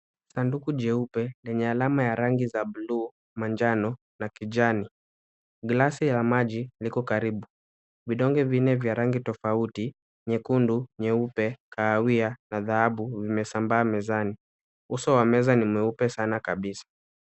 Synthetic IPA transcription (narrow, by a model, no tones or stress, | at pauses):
sandukuʄɛupɛlɛɲɛalamajaɾaŋɡizaɓuluː | maɲd͡ʒanɔ | nakid͡ʒani | ɡlasilamaʄilikɔkaɾiɓu | viɗɔŋɡɛvinɛvjaɾaŋɡitɔfauti | ɲɛkunduɲɛupɛkʰaːwianaðahaɓuvimɛsambaːmɛzani | usɔwamɛzanimwɛupɛsanakaɓisḁ